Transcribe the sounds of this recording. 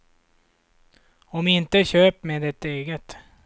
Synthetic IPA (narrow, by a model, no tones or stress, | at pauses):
ɔmɪnt̪əɕøːpmeːd̪ɛt̪eːɡət̪